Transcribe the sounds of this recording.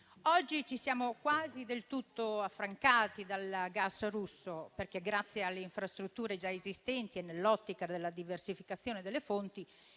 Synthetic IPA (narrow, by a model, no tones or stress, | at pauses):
ɔd͡ʒːit͡ʃisjaːmokwaːzid̪elt̪ut̪ːoafːɾaŋkaːt̪id̪alɡasrusːoperk̟eɡɾat̪sːjealːeiɱfɾast̪ɾut̪ːuːɾed͡ʒaezist̪ɛnt̪ienːelːɔt̪ːikad̪elːad̪iversifikat̪sːjoːned̪elːefont̪i